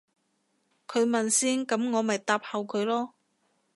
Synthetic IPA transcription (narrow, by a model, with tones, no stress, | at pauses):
kʰɵ˨˧ɥmɐ˨nsiː˥nkɐ˨˥mŋɔː˨˧mɐ˨jt̪aː˧p̚hɐ˨wkʰɵ˨˧ɥlɔː˥